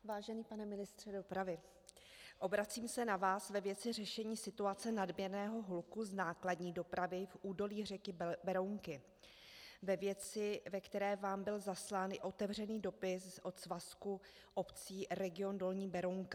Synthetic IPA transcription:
vaːʒɛniːpanɛmɪnɪst̪r̝̥ɛdo̞pɾavɪ | ʔo̞bɾat͡siːmsɛnavaːsvɛvjɛt͡sɪr̝ɛʃɛɲiːsɪt̪uat͡sɛnadmɲɛɾnɛːɦo̞ɦulkuznaːkladɲiːdo̞pɾavɪfʔuːdo̞liːrɛkɪbɛɾowŋkɪ | vɛvjɛt͡sɪvɛkt̪ɛɾɛːvaːmbɪlzaslaːnɪʔo̞t̪ɛvr̝ɛniːdo̞pɪsʔo̞t̪zvasku | ʔo̞pt͡siːɾɛɡɪo̞ndo̞lɲiːbɛɾowŋka

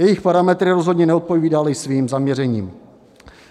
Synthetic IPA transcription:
jɛjɪxpaɾamɛt̪ɾɪɾozɦodɲɛnɛot̪̚po̞viːdalɪsviːmzamɲɛɾɛɲiːm

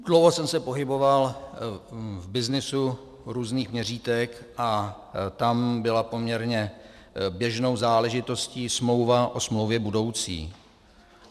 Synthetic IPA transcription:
d̥lowɦosɛmsɛpo̞ɦɪbo̞val | vbɪznɪsu | ɾuːzniːxmɲɛr̝iːt̪ɛkʔa | t̪ambɪlapo̞mɲɛɾɲɛ | bjɛʒno̞wzaːlɛʒɪt̪o̞sciːsmlo̞wvaʔosmlowvjɛbudo̞wt͡sḭː

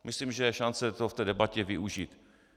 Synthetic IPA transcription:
mɪslimʒɛjɛʃant͡sɛt̪oft̪ɛːdɛbacɛvɪʔuʒiːt̪

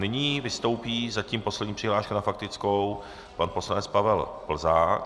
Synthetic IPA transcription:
nɪɲiːvɪst̪o̞wpiːzaciːmpo̞slɛdɲiːpr̥ɪɦlaːʃkunafak̚t̪ɪt͡skow | panposlanɛt͡spavɛlpl̩zaːk

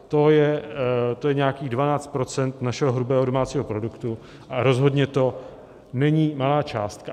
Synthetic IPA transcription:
t̪o̞jɛt̪o̞jɛɲɛakiːɣdvanaːt͡st̪̚pɾo̞t͡sɛnt̪naʃɛɦoɦɾubɛːɦodomaːt͡siːɦo̞pɾo̞dukt̪u | ʔaɾo̞zɦo̞dɲɛt̪o̞ | nɛɲiːmalaːt͡ʃaːst̪ka

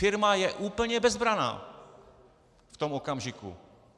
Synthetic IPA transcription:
fɪɾmajɛʔuːpl̩ɲɛbɛzbɾana̰ː | ft̪o̞mokamʒɪkṵ

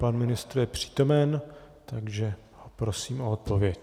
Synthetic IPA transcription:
panmɪnɪst̪ɾujɛpr̝̥i̥ːt̪o̞mɛn | t̪aɡʒɛ | hopɾosiːmʔoot̪̚po̞vjɛc

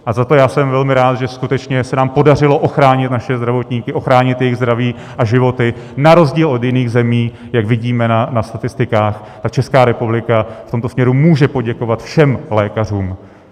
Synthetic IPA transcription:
ʔazat̪o̞jaːsɛmvɛlmɪɾaːt̪ʒɛskut̪ɛt͡ʃɲɛsɛnaːmpo̞dar̝ɪloʔo̞xɾaːɲɪt̪naʃɛzd̪ɾavo̞t̪ɲiːkɪʔo̞xɾaːɲɪt̪jɛjɪɣzdɾaviː | ʔaʒɪvo̞t̪ɪnaɾo̞zɟiːlod̪jɪniːɣzɛmiː | jakvɪɟiːmɛnanast̪at̪ɪst̪ɪkaːxt̪ak̚t͡ʃɛskaːɾɛpublɪkaft̪omt̪o̞smɲɛɾumuːʒɛpo̞ɟɛko̞vat̪fʃɛmlɛːkar̝uːm

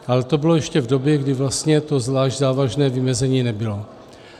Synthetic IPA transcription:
ʔalɛt̪o̞bɪlojɛʃcɛvdo̞bjɛɡdɪvlast̪ɲɛt̪o̞zvlaːʒɟzaːvaʒnɛːvɪmɛzɛɲiːnɛbɪlo̞

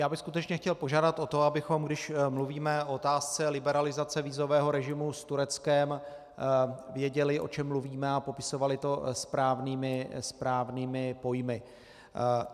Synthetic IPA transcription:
jaːbɪxskut̪ɛt͡ʃɲɛxcɛlpo̞ʒaːdat̪ʔo̞t̪o̞abɪxo̞mɡdɪʃmluviːmɛoot̪aːst͡sɛlɪbɛɾalɪzat͡sɛviːzo̞vɛːɦo̞ɾɛʒɪmust̪uɾɛt͡skɛm | vjɛɟɛlɪʔo̞̰t͡ʃɛmːluviːmɛapo̞pɪso̞valɪt̪o̞spɾaːvniːmɪspɾaːvniːmɪpo̞jmɪ

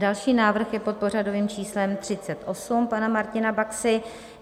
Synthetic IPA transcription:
dalʃiːnaːvr̩xjɛpo̞t̪̚por̝ado̞viːmt͡ʃiːslɛmt̪r̝̥ɪt͡sɛt̪ʔo̞sumpanamaɾcɪnabaksɪ

